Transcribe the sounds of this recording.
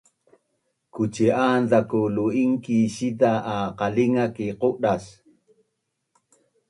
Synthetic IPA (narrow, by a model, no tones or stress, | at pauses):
kut͡ʃiʔandakuluiŋkiɕit̪aʔːqaliŋakiquʔɗas